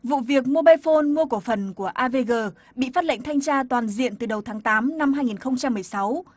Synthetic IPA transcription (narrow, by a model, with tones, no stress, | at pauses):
vṵ˧˨vi˨˩ək̚mu˧ɓaː˧jfo˧nmu˧əko˧˩fə˨˩nku˧˩əʔaː˧ve˧ɣəː˧˩ | ɓḭ˧˨faː˦˥t̚lə̰˧˨ŋ̟t̪ʰa˧jŋ̟t͡ɕaː˧t̪waː˨˩nzḭ˧˨ənt̪ɨ˨˩ɗə˨˩wt̪ʰaː˨˦ŋt̪aː˨˦mna˧mɦaː˧jŋi˨˩nxə˧wŋ͡mt͡ɕa˧mːɨ˨˩əjsa˨˦w